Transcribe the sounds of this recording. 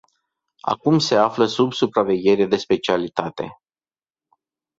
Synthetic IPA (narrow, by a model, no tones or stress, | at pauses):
a̰kumse̞afləsubsupɾave̞ɡʲe̞ɾed̪e̞spe̞t͡ʃialit̪at̪e̞̰